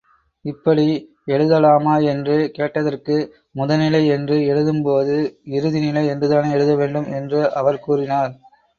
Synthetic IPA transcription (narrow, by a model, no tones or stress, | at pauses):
ɪpːɐɽi | ɛɻɯðɐlaːmaːɛndrɯkeːʈːɐðɐrkɯ | mʊðɐnɪlɐɪɛndrɯɛɻɯðɯmpoːðɯɪɾɯðɪnɪlɐɪɛndrɯðaːneɛɻɯðɐʋeːɳɖɯmɛndrɯʔɐʋɐɾkuːrɪnaːɾ